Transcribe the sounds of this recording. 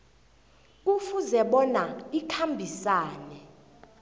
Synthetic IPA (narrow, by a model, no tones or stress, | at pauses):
ufuzɛɓɔnaikʰambʱisaːnɛ